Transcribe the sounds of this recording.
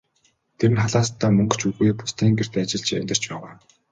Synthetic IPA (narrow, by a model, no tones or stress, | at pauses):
t̪ʰeɾɘ̆nχaɮaːst̪ʰːaːmɵŋɡɵ̥̆t͡ɕuɣujpʊ̥st̪ʰiːŋɡer̥t̪at͡ɕɪ̆ɬt͡ɕʰæ̰nʲt̪ɪ̆r̥t͡ɕpæːʁaː